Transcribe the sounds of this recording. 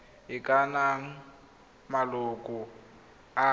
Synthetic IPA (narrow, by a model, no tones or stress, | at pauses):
ɪkʼanaŋ̩ | malʊkʼʊ | a